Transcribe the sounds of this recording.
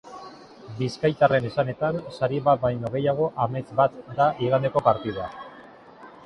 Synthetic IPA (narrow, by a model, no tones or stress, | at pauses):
biskajt̪are̞ne̞sane̞t̪ansaɾiβat̪̚bajno̞ɣ̞e̞jaɣ̞o̞ʔame̞t͡sbat̪d̪aʔiɣand̪e̞ko̞paɾt̪iðoa